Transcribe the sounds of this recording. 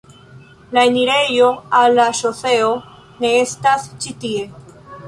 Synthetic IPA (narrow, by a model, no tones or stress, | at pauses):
laeniɾe̞jo̞alːaʃo̞se̞o | ne̞estast͡ʃitie̞